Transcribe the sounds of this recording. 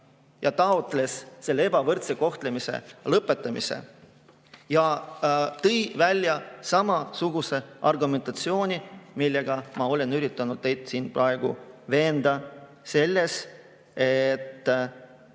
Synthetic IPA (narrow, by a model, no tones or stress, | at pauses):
jɑt̪ɑo̞t̪ˑle̞sːe̞lːee̞bɑvɤrt̪se̞ko̞ht̪le̞mise̞̰lɤpːˑe̞t̪ˑːɑmḭsḛ | jɑ | t̪ɤjvælʲːjɑsɑmɑsuɡ̥use̞ʔɑrɡume̞nt̪ːˑɑt̪sio̞ːnʲimilːe̞ɡ̥ɑmɑo̞le̞nyɾit̪ːˑɑnud̪̥̚t̪e̞jd̪siːnprɑe̞ɡ̥ṵve̞ːnd̪̥ɑ | se̞lːe̞s | e̞t̪ː